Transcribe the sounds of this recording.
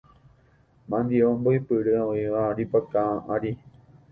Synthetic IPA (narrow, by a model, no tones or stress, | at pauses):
mãnd̪iomboipɨɾɨaoiʋaɾipakãʔaɾi